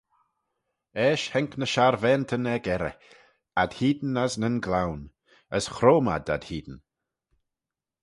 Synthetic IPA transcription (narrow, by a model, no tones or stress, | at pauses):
ɛːʃhɛŋknəʃaɾvɛːnt̪ʰənɛɡɛɾɛ̰ | ad̪̥hiːd̪n̩aznənɡlawn | əsxɾoːma̰da̰d̥hiːd̪n̩